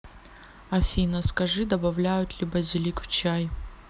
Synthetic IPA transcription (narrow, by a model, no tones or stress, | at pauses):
ɐfʲinɐskɐʐɨd̪ɐbɐvlʲajʊt̪lʲibɐzʲɪlʲikft͡ɕaj